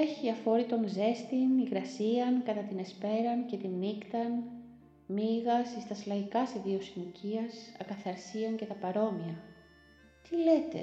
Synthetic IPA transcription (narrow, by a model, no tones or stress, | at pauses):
eçiɐfo̞ɾit̪o̞ŋze̞st̪iniɣɾɐsiɐŋkɐt̪ɐt̪ine̞spe̞ɾɐnce̞t̪inːikt̪ɐn | miɣɐsist̪ɐslɐʝikɐseðio̞siniciɐsɐ̰kɐθɐɾsiɐŋce̞t̪ɐpɐɾo̞miɐ | t̪ilet̪e̞̰